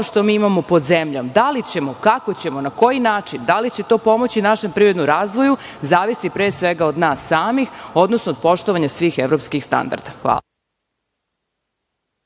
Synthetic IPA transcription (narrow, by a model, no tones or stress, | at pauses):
oʃt̪omiːimamo̞pod̪zemʎomd̪alit͡ɕe̞mo̞kakot͡ɕe̞mo̞nako̞jinaːt͡ʃind̪alit͡ɕe̞t̪o̞ːpo̞mo̞t͡ɕinaʃe̞mpɾiːɾed̪nuɾaːzʋo̞ju | zaːʋisipɾeːsʋe̞ɡaod̪naːsːaːmixo̞d̪nosnoːd̪po̞ʃt̪oʋaɲasʋiːxeʋɾo̞pskixst̪a̰nd̪a̰ɾd̪axʋa̰ː